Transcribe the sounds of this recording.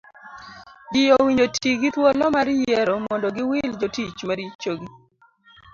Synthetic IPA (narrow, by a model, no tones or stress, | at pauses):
d͡ʒɪjowiɲd͡ʒotʰiɡit̪wɔlɔmaɾjɛɾɔmɔndɔɡɪwɪld͡ʒotit͡ʃmaɾit͡ʃoɡi